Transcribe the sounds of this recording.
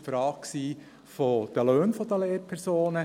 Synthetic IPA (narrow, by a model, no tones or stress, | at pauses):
fɾɑːkksiː | fod̪̥əløːnfɔd̪əleːɾpʰɛɾsoːnə